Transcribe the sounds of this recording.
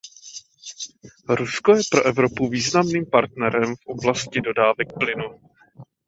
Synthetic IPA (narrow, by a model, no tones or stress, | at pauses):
ɾusko̞jɛpɾo̞ʔɛvɾo̞puviːznamniːmpaɾt̪nɛɾɛmfʔoblascɪdo̞daːvɛk̚plɪnu